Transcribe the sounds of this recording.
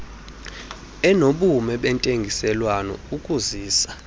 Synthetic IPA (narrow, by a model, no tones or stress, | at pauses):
ɛnoɓumɛɓɛntʼeŋɡʱisɛlwanɔ̰ukʼuziːsḁ